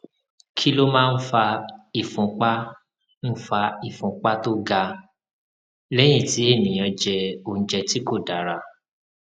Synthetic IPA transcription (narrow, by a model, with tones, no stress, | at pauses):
kʰi˦lo˦mãː˦˧n̩˦fa˧i˨fũ˨˧k͡pa˦ | ñ̩˦fa˧i˨fũ˧k͡pa˦to˦ɡa˧ | lɛ˦j̃ĩ˦˨ti˨˦e˦˨nĩ˨j̃ã˧d͡ʒɛ˧o˧ñ̩˦d͡ʒɛ˧ti˦ko˦˨da˨˦ɾa˧